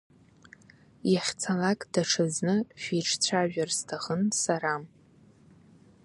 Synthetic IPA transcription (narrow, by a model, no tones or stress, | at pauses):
jaχʲt͡sʰalakʼd̥aʈ͡ʂʰɨznɨʃʷᶣijʈ͡ʂʰt͡sʷʰaʒᶣarstʰaχənsaɾam